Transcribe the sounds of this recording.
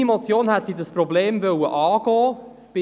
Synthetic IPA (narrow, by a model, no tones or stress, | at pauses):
imot͡sjoːnhɛt̪idəsprɔbleːmvœwə̰ʔɑːɡ̥ɔː | b̥ɪ